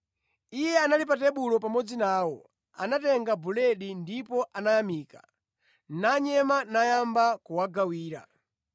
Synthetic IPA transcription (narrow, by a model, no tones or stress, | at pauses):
ijɛanalip̬atɛɓulɔpamɔd͡zinaːwɔ | a̰natɛŋɡabulɛɗindipɔʔanajamiːkḁ | naɲɛmanajambakuwaɡawiːɾa̰